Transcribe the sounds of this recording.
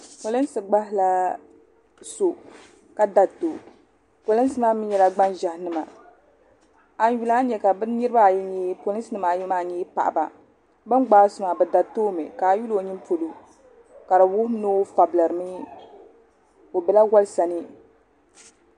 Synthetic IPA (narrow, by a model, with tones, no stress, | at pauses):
po˨lɨ˦n˦sɨ˨ɡ͡ba˦ɦɪ˦la˦ | so˨ | ka˦da˨to˨ | po˨lɨ˦n˦sɨ˦ma˦mɨ˦ɲjɛ˨la˦ɡ͡ba˦nʒa˨hnɨ˦ma˨ | a˨n˦ju˦la˦ɲɛ˨ka˨bɨ˦nɨ˦ɾɨ˦ba˦˨jɛ˦ɲɛ˦po˨lɨ˦snɨ˦ma˨jɛ˦ma˦˨ɲɛː˦pa̰˨ʔba̰˨ | bɨ˦m˦ɡ͡baː˦su˨ma˨bɛ˨da˨toː˦mɨ̰˨ka˨ju˦lo˨˦ɲi˦m˦po˨lo˨ | ka˨ɾɨ˨wʊ˦noː˦fa˨bla˨ɾɨ˨mɨ˦ | o˨bɛ˨la˦wa˦lsa˨nɨ˦